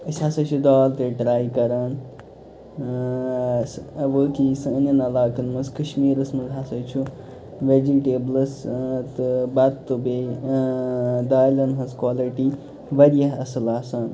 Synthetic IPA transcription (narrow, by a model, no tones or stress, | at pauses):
ɐsʲasɐt͡ʃʰud̪aːlt̪eɖɾaːjkɐɾaːn | sʋəːkisɨənjɐnɐlaːkɐnmɐskɐʃmiːɾɐsmɐzʱasɐt͡ʃʰu | ʋed͡ʒiʈeːblɐst̪ɨbɐt̪ːɨbe | d̪aːjlɐnɦɐskwaːliʈi | ʋɐɾjɐɦɐsɐlaːsaːn